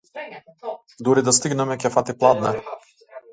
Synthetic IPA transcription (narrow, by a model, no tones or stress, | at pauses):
d̪uɾid̪ast̪iɡnɛmɛkɛfat̪iplˠad̪nɛ